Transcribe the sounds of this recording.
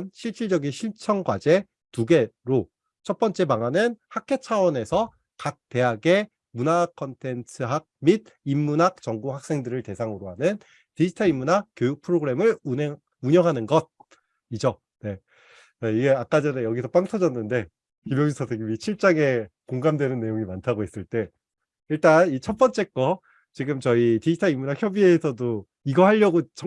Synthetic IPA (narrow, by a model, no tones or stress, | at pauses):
nɕʰiɭt͡ɕ͈ʰiɭd͡ʑʌɡinɕʰiɭt͡ɕʰʌŋɡwad͡ʑe̞ | tuɡe̞ɾo | t͡ɕʰʌt̚p͈ʌnt͡ɕ͈e̞maŋɦanɯnhakʰe̞t͡ɕʰawʌne̞sʰʌ | kak̚te̞ɦaɡe | munakʰʌntʰe̞ntʰɯɦak̚mid̚ | imːunɦak̚t͡ɕʌŋɡuɦak̚s͈e̞ŋdɯɾɯɭte̞sʰaŋɯɾoɦanɯn | tid͡ʑitʰʌimːunɦakk͈jojuk̚pʰɯɾoɡɯɾe̞mɯɭune | uɲʌŋɦanɯnɡʌd̚ | id͡ʑo | ne̞ | t͡ɕaiɡe̞ak͈ad͡ʑeɾejʌɡisʰʌp͈aŋtʰʌd͡ʑʌnːɯnde̞ | kimjʌŋɕitʰʌteɡimit͡ɕʰiɭt͡ɕ͈aŋe̞koŋɡamdwe̞nɯnːe̞joŋimantʰaɡoɦe̞s͈ɯɭt͈e̞ | iɭt͈anit͡ɕʰʌt̚p͈ʌnt͡ɕ͈e̞k͈ʌ | t͡ɕiɡɯmt͡ɕʌitid͡ʑitʰaimːunɦakçjʌbie̞sʰʌdo | iɡʌɦaʎːʌɡot͡ɕʌ